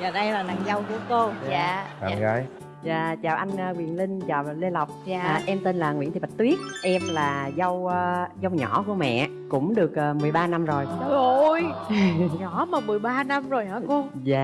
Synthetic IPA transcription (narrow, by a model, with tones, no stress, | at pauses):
aː˨˩ɗə˧jlaː˨˩la̰˧˨ŋzə˧wku˨˧˦əko˧aː˨˧˨ə˧˩j | zaː˨˩t͡ɕaː˨˩wʔa˧jŋ̟ə˧wi˨˩ənlï˧ŋ̟t͡ɕaː˨˩wle˧la˨˩wk͡p̚ːʔɛ˧mt̪i˧nlaː˨˩ŋḭ˧˥nt̪i˨˩ɓa˨˩t̚t̪wi˦˥ət̚ʔɛ˧mlaː˨˩zə˧wzə˧wɲɔ˧˩˦ku˧˩əmɛ̰˧˨ʔkʊ̰˧˥ŋ͡mɗɨ˨˩ək̚əː˨˩mɨ˨˩əjɓaː˧na˧mzo˨˩jo˧˩j | ɲɔ˧˦maː˨˩mɨ˨˩əjɓaː˧na˧mzo˨˩jhaː˨˦ko˧ | zaː˧˨